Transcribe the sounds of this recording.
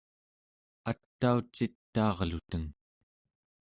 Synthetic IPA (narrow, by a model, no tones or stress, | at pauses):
at̪ːaut͡ʃːit̪ːɑːʁlut̪əŋ